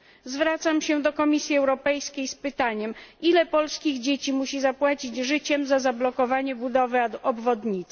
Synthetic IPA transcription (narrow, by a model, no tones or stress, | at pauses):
zvɾat̪samɕɛd̪ɔkɔmʲisʲjiɛwɾɔpɛjskʲejspɘt̪aɲɛmilɛpɔlskʲiɣd͡ʑet͡ɕimuɕizapwat͡ɕid͡ʑʐɘt͡ɕɛmzazablɔkɔvaɲɛbud̪ɔvɘaɔbvɔd̪ɲit̪s